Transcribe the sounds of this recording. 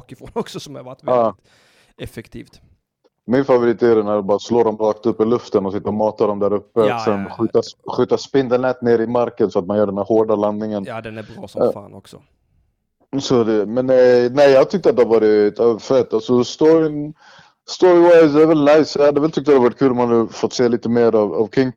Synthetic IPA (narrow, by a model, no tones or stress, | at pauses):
fɔnɔksɔsɔmavaaː | ɛfɛkt̪ʰiːft̪ | mɪnfavʊɾɪt̪ːeɾənæɖɔmbɑːɾasloːd̪ɔmɾɑːkt̪ɵpːɪlɵft̪ənɔsɪt̪ːamɑːt̪ad̪ɔmd̪æɾɵpːəsɛnɧyːt̪aɧyːt̪aspɪnd̪ənɛt̪neːɾɪmaɾkənsɔat̪manjœːɖɛnæhoːɖaland̪nɪŋənd̪ɛnɾ̰ːnɔksɔ | sɔd̪ɛmɛnːɛnɛjjɑːt̪ʰʏkt̪əat̪̚d̪ɛhaɾvɑːɾɪfɛt̪ːalsɔst̪ɔɾɪ | st̪ɔɾɪwaɪsd̪ɛɾvɛlnajsdhad̪ːɛvɛlt̪ʰʏk̚t̪əd̪ɛavɑːɾɪt̪kʰʉːlɔmhanafɔt̪ːseːliːt̪əmeːɾava̰vkʰɪŋ